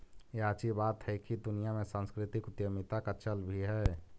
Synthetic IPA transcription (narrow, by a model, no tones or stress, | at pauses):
eaːt͡ʃibaːt̪hɛkid̪ʊnijamẽsãːnskɾɪt̪ɪkʊt̪jəmɪt̪akat͡ʃəlbʱiɦɛː